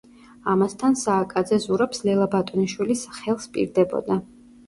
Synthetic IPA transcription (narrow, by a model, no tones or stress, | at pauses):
amast̪ʰansaːkʼad̪zɛzuɾapslɛlˠabat̪ʼɔniʃwilisχɛlˠspʼḭɾd̪ɛbɔ̰d̪a